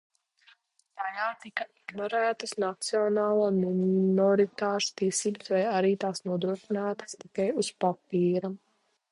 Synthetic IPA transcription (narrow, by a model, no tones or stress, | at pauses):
t̪ajaːt̪ikɐiɡnɔɾæːt̪əsnat̪siɔnaːlˠuːnnɔɾit̪aːʃu̥t̪iɛsiːbɐsvajaɾiːt̪aːsnuɔd̪ɾuɔʃinaːt̪ḁst̪ikajuspapiːɾa